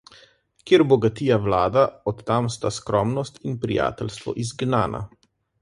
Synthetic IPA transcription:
kjeɾbɔɡat̪iːjawlaːd̪aɔt̪ːamst̪askɾɔːmnɔst̪inpɾija̰ːt̪ɛlst̪ʋɔ̰ʔizɡnaːnʔa̰

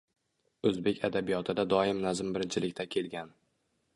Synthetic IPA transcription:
ɵzbe̞kʲʰad̪abijɒt̪ʰɪd̪ad̪ɒɪmnazɪmbɪɾɪnt͡ʃʰɪlɪkʲt̪ʰakʲʰe̞lɡʲan

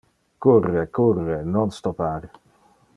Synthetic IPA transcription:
kurːekurːenɔnst̪ɔpaɾ

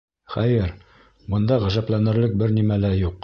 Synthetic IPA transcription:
χæjɘɾ | bɤ̆nd̪ɑʁæʒæplænɘ̆ɾlɘk̚bɘɾnimælæjuq̚

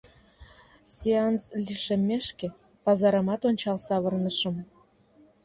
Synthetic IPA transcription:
sʲeɑnsliʃĕmʲːeʃkĕ | pɑzɑɾə̆mɑt̪onʲt͡ɕɑlsɑβərnəʃə̆m

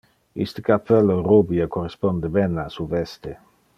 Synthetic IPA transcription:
ḭst̪əkapʰːɛlːorubiakorespond̪ebɛnasuvɛst̪e

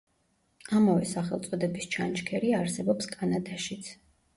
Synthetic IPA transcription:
amavɛsaχɛlˠt̪sʼɔd̪ɛbist͡ʃʰant͡ʃkʰɛɾiaɾsɛbɔpskʼanad̪aʃit̪sʰ

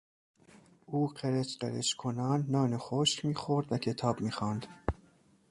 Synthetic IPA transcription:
ʔuːɢeɾet͡ʃqḛɾet͡ʃkʰonɒːnːɒːnexoʃcmiːxoɾd̪væcʰe̞t̪ʰɒːbmiːxɒːnd̪̥

